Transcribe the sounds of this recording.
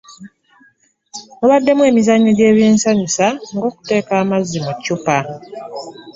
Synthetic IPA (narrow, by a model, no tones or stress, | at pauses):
oβadːe̞mwe̞ːmizaɲːoɟe̞ːβje̞ːnsaɲusaŋɡo̞ːku̥te̞ːkaːmazːimucːupa